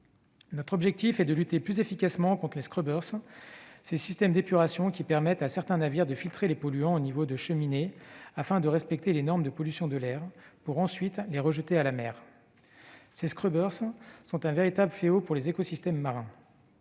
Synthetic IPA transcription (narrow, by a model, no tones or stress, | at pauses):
nɔt̪χɔbʒɛk̚t̪ifɛd̪əlyt̪eplyzefikasmɑ̃kɔ̃t̪χəleskχøbœʁs | sesist̪ɛmd̪epyʁasjɔ̃kʲipɛʁmɛt̪asɛʁt̪ɛ̃naviʁd̪əfilt̪χelepɔlyɑ̃onivod̪əʃəmineafɛ̃d̪əʁɛspɛk̚t̪elenɔʁmd̪əpɔlysjɔ̃d̪əlɛʁpuʁɑ̃sɥit̪leʁəʒət̪ealamɛːʁ | seskχøbœʁsːɔ̃t̪ɛ̃veʁit̪abləfleopuʁlezekɔsist̪ɛmːaʁɛ̃